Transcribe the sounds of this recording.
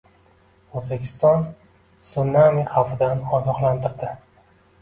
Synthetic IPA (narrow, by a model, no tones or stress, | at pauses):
ozbekʲʰɪ̥st̪ɒn | sunːamiχawfɪd̪anɒɡʲɒχlˠant̪ʰɪɾd̪ɪ